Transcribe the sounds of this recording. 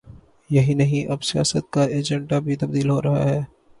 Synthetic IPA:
jɐɦinɐɦĩʔɐbsija̰ːsət̪̚kaeːd͡ʒɛ̃ɳɖabʱit̪ɐb̚d̪iːlɦoːɾɐɦa̰ɦɛː

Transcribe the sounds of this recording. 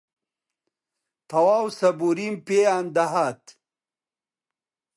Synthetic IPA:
t̪ʰɐwaːwsɐbuɾimpeand̪ɐɦat̪

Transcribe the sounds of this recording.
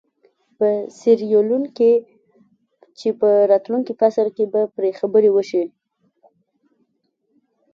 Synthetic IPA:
pəsɪɾjolunke | t͡ʃepəɾɑt̪luŋkifaslkebapɾexabəɾewəʃi

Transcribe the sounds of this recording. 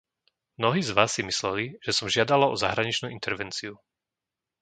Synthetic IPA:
mnɔɦiːzʋaːsːimislɛliʒ̥ɛsɔmʒɪad̪alaɔzaɦɾaɲit͡ʃnuːint̪ɛɾʋɛnt͡siu

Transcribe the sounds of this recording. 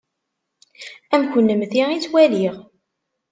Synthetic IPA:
æmkʷənːəmθiʁit͡sːwæliʁ

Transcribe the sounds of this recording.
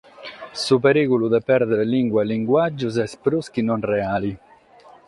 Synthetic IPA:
sup̬eɾiːkulud̪ɛpɛɾd̪ɛɾeliŋɡwaliŋɡwad͡ʒːuz̬ɛspɾuskinɔnrɛaːli

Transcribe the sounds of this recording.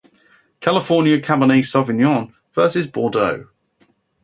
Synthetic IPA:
kʰalɪfɔːnjəkʰabəniːsɒvɪnjɔ̃n | v̥ɜˑsɪzbɔːdəʊ

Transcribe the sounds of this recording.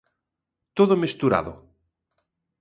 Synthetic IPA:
t̪oðomest̪uɾa̰ðo̰

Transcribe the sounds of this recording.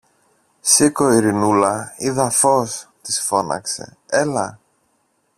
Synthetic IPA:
sikoiɾinulɐiðɐfo̞st̪isfo̞nɐ̰kse̞̰elɐ

